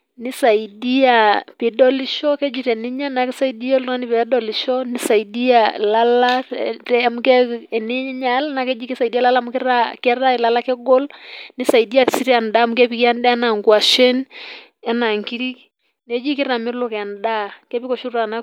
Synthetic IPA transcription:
ni˦sa˨i˨di˦a˨pi˨dɔ˦li˦ʃɔ˦kɛ˦d͡ʒi˨ɾɛ˨ni˦ɲa˦na˨ke˦sa˦i˦di˦a˦lŋa˦ni˨pɛ˨˦dɔ˨li˨ʃɔ˦ni˦sa˨i˨di˦a˨la˦la˦tɛ˦˨m˦kɛ˦˨ni˦ɲa˦lna˨kɛ˦d͡ʒi˦kɛ˦sa˨i˨di˦a˦la˦la˦mu˦kɛ˦ɾa˦kɛ˦ɾa˦i˨la˦la˦kɛ˦ɡɔ˦lni˦sa˨i˨di˦a˨si˦ɾi˦a˨nda˦mu˦kɛ˦pi˦ki˦a˦n˦dɛ˦a˦na˨ŋɡwa˨ʃɛ˦n | ɛ˦na˨ŋki˦ɾi˦k | nɛ˨˦d͡ʒi˦ki˦ɾa˨mɪ˦ɾlɔ˦˨kɛ˨nda˦kɛ˦pi˦kɔ˨ʃu˦ɾa˨na˦

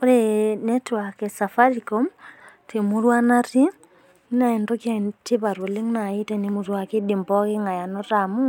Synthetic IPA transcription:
o˦ɾenɛ˦twa˨kɛ˨sa˨fa˦ɾikɔ˦m | te˨mu˦ɾwa˦na˦ɾi˦ | na˨ɛ˨ndɔ˦kja˦te˦βa˨ɾo˨le˦ŋna˨i˦tɛ˦ne˨˦mu˨ɾwa˨ke˦di˨mbɔ˦ke˦ŋa˨ja˨nɔ˦ta˨mu˦

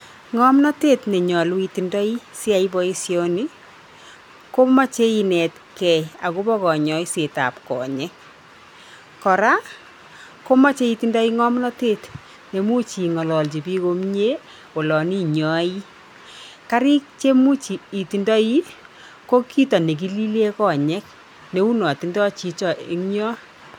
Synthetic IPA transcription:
ŋɔ˦mna˦te˦tne˨ɲɔ˨lu˦i˨ti˨ndɔ˦i˦si˦a˨i˦bɔ˦i˦sjɔ˦ni˦ | ko˦ma˦t͡ʃe˦i˨nɛ˨t | kɛ˨a˨ku˦bɔ˦kɔ˨ɲɔ˨jse˨ta̰˨p̚kɔ̰˨ɲɛ˦ | kɔ˨ɾa˦ | ko˦ma˦t͡ʃe˦i˨ti˨ndɔ˦i˦ŋɔ˦mna˦te˦t | ne˨mu˦t͡ʃi˨ŋɔ˨lɔ˨lt͡ʃi˨pi˦ko˨˦mɲe˦ | wɔ˨lɔ˨ni˦ɲɔ˦i˦ | ka˦ɾi˦k̚t͡ʃe˦mu˦t͡ʃiː˨ti˨ndɔ˦i˦ | ko˦kʰi˦tɔ˨ne˨k̬i˦li˦le˦kɔ˨ɲɛ˦k̚ | ne˨˦u˦nɔ˨ti˦ndɔ˦t͡ʃi˦t͡ʃɔ˨ʔi˦ŋɲɔ˦

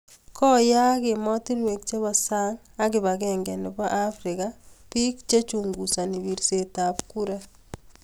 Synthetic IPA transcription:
kɔ˦ja˦ke˨mɔ˦ti˦nwe˨k̚t͡ʃe˦βa˨sa˦ŋ | a˦kɪ˨ba˨kɛ˨ŋɡɛ˨nɪ˨ba˦ʔa˦fɾɪ˨kapi˦k̚t͡ʃe˦t͡ʃuŋɡu˨sa˨ni˨βi˨ɾse˨ta˨pku˦ɾa˦

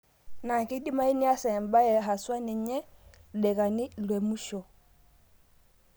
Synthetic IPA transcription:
na˨ki˦di˦ma˦i˦ni˦a˦sɛ˨mba˦jɛ˨ɦa˨swa˦nɛ˨ɲɛ˦˨ɗɛ˨ka˨ni˦lwɛ˨mu˦ʃɔ˨

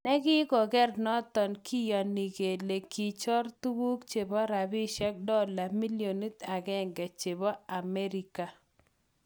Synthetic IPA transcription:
nɛ˦ɡɪ˦ɡɔ˨ɡɛ˦rnɔ˦t̪ɔ˨nkʰi˦jɔ˨ni˨ɡe˨le˨ki˨t͡ʃɔ˦ɾtu˦wu˦kt͡ʃe˨bɔ˦ɾa˨bi˦ʃɛ˦k̚dɔ˦la˨mi˦ljo˨ni˦t̪a˨ɡɛ˦˨ŋɡɛ˨t͡ʃe˨bɔ˦a˨mɛ˦ɾi˨ka˨

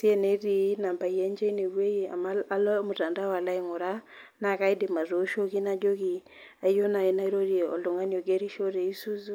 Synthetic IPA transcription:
si˦e˦˨ne˦ɾi˦na˨mba˨i˨e˦ɲd͡ʒe˦i˦ne˨we˦i˨a̰˨ma˦a˦lmu˨ta˨nda˦wa˨la˦i˨ŋu˨ɾa˦ | na˨ka˦i˦dɪ˨ma˨zo˨˦ʃo˦ki˦na˦d͡ʒo˦ki˨ | a˦i˦jo˦na˨i˦na˦i˦ɾo˦ɾi˦e˨ɔ̰˨lu˨ŋa˦nio˨ɡe˦ɾi˦ʃo˦ɾe˨i˦su˦zu˦

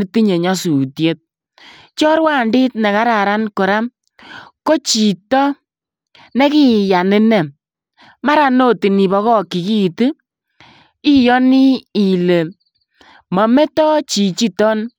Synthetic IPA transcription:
i˦ti˦ɲe˨ɲa˦su˨tje˦t̚ | t͡ʃɔ˦ɾwa˦˨ndɪ˦t̚nɛ˨ka˦ɾa˨ɾa˦nko˨ɾa˦m | ko˦t͡ʃi˨tɔ˦ | nɛ˦ki˦ja˨nɪ˦nɛ˨ | ma˦ɾa˨no˦ti˨ni˨bɔ˧ɣɔ˦ki˨ki˦tɨ˦ | i˦jɔ˦ni˦i˨le˨ | mɔ˨me˦tɔ˦t͡ʃi˨t͡ʃi˦tɔ˦n

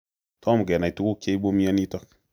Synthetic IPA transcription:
tɔ˦m˨ɡɛ˨na˨i˨tu˦ku˦ke˦bo˦mje˦ni˦tɔ˦k

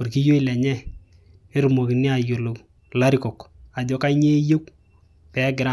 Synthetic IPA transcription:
ʊ˨ɾki˦jo˦i˨lɛ˨ɲɛ˦ | ɪ˦ɾu˨mo˨ki˨nɪ˦a˨jo˨lo˨ | la˦ɾɪ˦kɔ˨ka˨d͡ʒɔ˦ka˦ɲe˦jo˦k | pɛ˨˦ɡɪ˨ɾa˦

